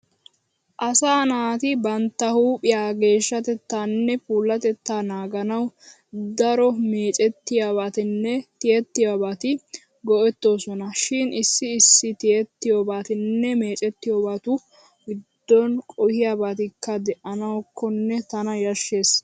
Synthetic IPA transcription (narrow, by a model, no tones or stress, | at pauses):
ʔɐsaːnaːt̪ɪbɐnt̪ːɐhuːpʼɪjaːɡe̞ːʃːɐt̪ɛt̪ːaːnːɛpuːlːɐt̪ɛt̪ːaːnaːɡɐnɐw | d̪ɐɾɔme̞ːt͡ʃʼɛt̪ːɪjaːβaːt̪ɪnːɛt̪ɪɛt̪ːɪjabaːt̪ɪ | ɡɔʔɛt̪ːo̞ːsɔnɐʃɪnɪsːɪːsːɪt̪ɪjɛt̪ːɪjoːbaːt̪ɪnːɛme̞ːt͡ʃʼɛt̪ːɪjoːbaːt̪ʊ | ɡɪd̪̥ːɔnkʼɔhɪjaːbaːt̪ɪkʰːɐd̪ɛʔɐnɐwkʰːɔnːɛt̪ɐnɐjɐʃːe̞ːs